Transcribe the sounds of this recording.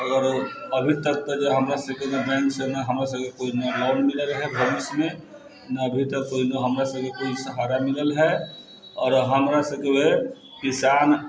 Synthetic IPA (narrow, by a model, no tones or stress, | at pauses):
əɡəɾ | əbʱit̪əɾ̚t̪əd͡ʒoɦɐmɾasəbkewebɛ̃ːŋksenɐɦɐmɾasəbkekoːinolɔːnmɪləlɦɛbʱɐʋɪsmẽ | nɐːbʱit̪əɾkoːinoɦɐmɾasəbkekoːisəɦaːɾamɪləlɦɛ | ɔːɾɦɐmɾasəkeʋɦe | kɪsaːn